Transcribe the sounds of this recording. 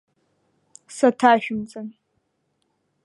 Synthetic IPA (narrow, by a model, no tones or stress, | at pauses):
sɐtʰaːʃᶣʊmt͡sʼɐn